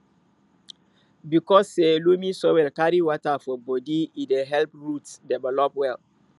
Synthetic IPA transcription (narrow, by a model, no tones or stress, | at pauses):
bikɔsːelumĩsɔwɛlkaɹiwɔtafɔbɔdiideɦɛlpɹutsdɛvɛlɔpwɛl